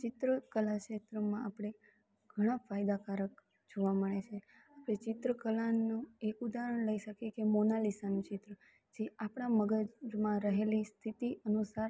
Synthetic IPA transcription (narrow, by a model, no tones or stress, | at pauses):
t͡ʃɪt̪ɾəkəlaʃet̪ɾəmãapɽ̃e | ɡ̥ʱəɽ̃ãfʰajd̪akaɾək | d͡ʒoʋaməɭet͡ʃʰe | apɽ̃et͡ʃɪt̪ɾəkəlanːũekud̪aɦɾəɳləiʃəkekemonalisanũt͡ʃɪt̪ɾə | d͡ʒeapɽ̃aməɡəd͡ʒmãɾəɦelist̪ʰit̪iənusaɾ